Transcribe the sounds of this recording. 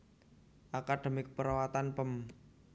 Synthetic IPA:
ʔakaɖ̥e̤mikəpəɾawat̪anpəm

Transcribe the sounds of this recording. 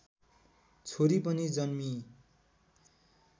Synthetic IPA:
t͡sʰoɾipʌnid͡zʌnmi

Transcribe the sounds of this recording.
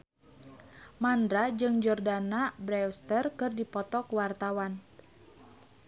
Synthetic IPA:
mand̪ɾad͡ʒɨŋd͡ʒɔrdanabɾɛɔst̪ərkɨrdipɔt̪ɔkuwart̪awan

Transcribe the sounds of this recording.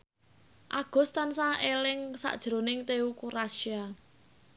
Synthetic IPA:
ʔaɡ̥ɔ̤st̪ansaelɪŋsa̰ʔd̥ʒ̥ɾo̤nɪŋt̪eukuɾasia

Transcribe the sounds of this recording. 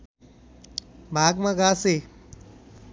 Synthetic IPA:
bʱaːɡmɐɡaːse

